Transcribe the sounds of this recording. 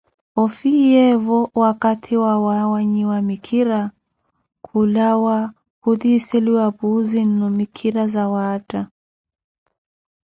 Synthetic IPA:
ɔfijɛvɔwakatʰiwawawaɲiwamikʰiɾa | kʰulawa | kuðisɛliwapuzinːɔmikʰiɾazawaːta

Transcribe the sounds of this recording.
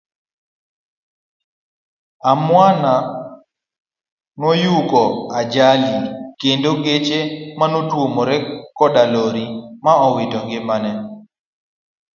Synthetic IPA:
amwana | nɔjukɔad͡ʒalikendoɡet͡ʃemanotwomɔɾɛkɔdaloɾimaɔwɪdɔŋɡɪmanɛ

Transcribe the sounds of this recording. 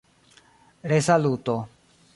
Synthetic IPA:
ɾesaluːt̪o

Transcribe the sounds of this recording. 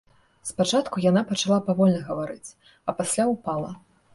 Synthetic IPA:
spat͡ʂat̪kujanapɐt͡ʂalˠapavɔlʲnɐɣɐvaɾɨt͡sʲ | ɐpasʲlʲaupalˠɐ

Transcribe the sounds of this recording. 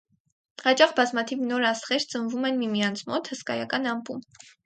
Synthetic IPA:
hɑt͡ʃɑχbɑzmɑt̪ʰivnɔɾɑsχɛɾt͡sənvumɛnmimijɑnt͡sʰmɔt̪həskɑ̰jɑ̰kɑnɑmpum

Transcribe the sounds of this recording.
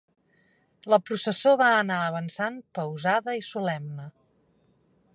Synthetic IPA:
ləpɾusəsoβaənaəβənsanpəwzaðəisulɛmnə

